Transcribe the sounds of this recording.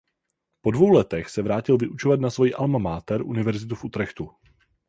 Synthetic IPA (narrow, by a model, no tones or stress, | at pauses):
po̞dvo̞wlɛt̪ɛxsɛvɾaːcɪlvɪʔut͡ʃovat̪nasvo̞jiːʔalmamaːt̪ɛɾʔunɪvɛɾzɪt̪ufʔut̪ɾɛxt̪u